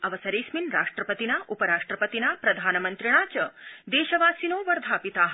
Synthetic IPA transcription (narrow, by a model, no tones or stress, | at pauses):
ɐʋɐsɐɾeːsminɾaːʂʈɾɐpɐt̪inaːʔupɐɾaːʂʈɾɐpɐt̪inaːpɾɐd̪ʱaːnɐmɐnt̪ɾiɽ̃aːt͡ʃɐd̪eːʃɐʋaːsinoːʋɐɾd̪ʱaːpit̪aːɦ